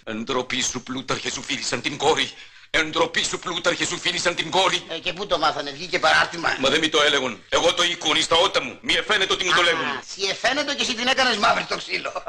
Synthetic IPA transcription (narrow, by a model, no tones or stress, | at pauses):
end̪ɾo̞pisuplut̪ɐɾçesufilisɐnt̪iŋɡo̞ɾi | end̪ɾopisuplut̪ɐɾçesufilisɐnt̪iŋɡo̞ɾiceput̪omɐθɐnevʝicepɐɾɐɾt̪imɐ̰mɐðemit̪o̞eleɣone̞ɣo̞t̪o̞ikonist̪ɐo̞t̪ɐmumiefe̞net̪eo̞t̪imut̪oleɣunsiefenet̪ocesit̪inekɐnezmɐvɾist̪oksilo